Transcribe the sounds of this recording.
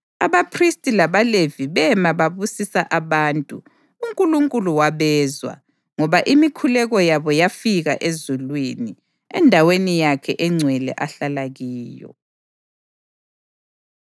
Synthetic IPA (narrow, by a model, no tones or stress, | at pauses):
aβapʰristʼilaβaleviβɛmaβaβusisaʔaβaːntʼṵ | uŋkʼuluŋkʼuluwaβɛːzwa̰ | ŋɔβaʔimikʰulɛɣɔjaβɔjafiɣaʔezulwini | ɛ̰ndʱawenijakʰɛ̰ʔɛŋ͡ǀʱwɛlɛ̰ʔaɬalaɣiːjɔ̰